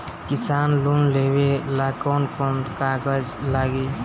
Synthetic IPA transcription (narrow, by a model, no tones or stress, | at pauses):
kɪsaːnlunleːwelakɔːnkonkaːɡəd͡ʒlaːɡe